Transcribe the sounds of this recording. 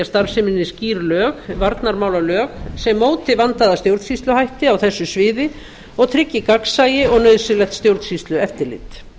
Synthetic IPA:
ast̪aɾsɪmɪnːɪsciːɾlœːxvaɾt̪naɾmaːwlalœːxsɛmːoːwt̪ɪvant̪aðast̪jowɾt̪sist̪lʏhajht̪ɪawθɛsːʏsvɪːðɪ | ɔɣt̪ʰɾɪcːɪkaksajɪɔɣnœɥðsɪlɛxt̪st̪jowɾt̪sist̪lʏɛft̪ɪlɪ̰t̪

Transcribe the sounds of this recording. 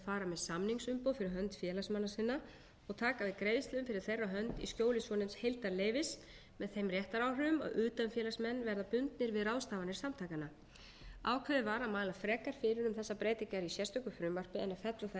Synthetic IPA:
faːɾamɛðsamniŋksʏmpoːwfɪɾɪɾɦœnt̪fjɛːlasmanːasɪnːa | ɔɣt̪ʰaːkavɪðkɾeːjðɪst̪ɪʏmfɪɾɪɾ̥θejrːaɦœnt̪ḭskjoːwlɪsvɔnɪmshejlt̪aɾleːjvɪs | mɛðθejmrjɛht̪aɾaːwrʏʏma̰ðʏːt̪anfjɛːlasmɛnːvɛɾðapʏnt̪nɪɾvɪðrawst̪aːvanɪɾ̥samt̪ʰaːjkana | aːwkʰvɛðɪvaːɾamaːlafɾɛːkaɾ̥fɪɾɪɾʏmθɛsːapɾeːjt̪ɪcaɾisjɛrst̪ʏhkʏfɾʏmvar̥pɪɛnafɛt̪laθ

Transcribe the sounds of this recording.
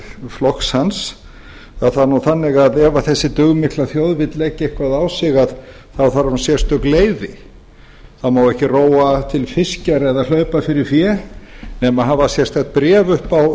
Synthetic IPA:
flɔkshans | aðθaðnuθanːɪɣaðɛvaθɛsːɪt̪ʏɣmɪklaθjowðvɪt̪lɛːcɪehkvaðaːwsɪɣað | θawθaɾansjɛr̥t̪ʏkleːjðɪ | θawmaːwɛhcɪroːwat̪ʰɪlfɪscaɾɛðal̥œɥpafɪɾɪɾ̥fjɛnɛmaɦavasjɛr̥t̪ɛht̪̚pɾɛːvʏhpaw

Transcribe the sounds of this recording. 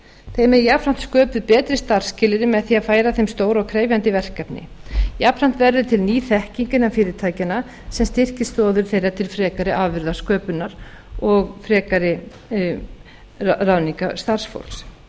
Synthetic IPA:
θejmɛjapɾan̥t̪skœːpʏðpɛːt̪ɾɪst̪aɾr̥scɪlɪɾɪmɛðθiaðfaːjɾaθejmst̪oːwɾɔɣkʰɾeːjvjant̪ɪvɛr̥kɛpnɪ̰japʰɾan̥t̪vɛɾðʏt̪ʰɪlniːθɛhciɲcɪnafɪːɾɪɾt̪ʰaːjcɪna | sɛmst̪ɪr̥cɪ̥st̪ɔːðʏɾ̥θejɾat̪ʰɪlfɾɛːkaɾɪʔavvɪɾðaskœːpʏnaɾ̥ | ɔɣfɾɛːkaɾɪ | rawniŋka̰st̪ar̥sfo̰wls

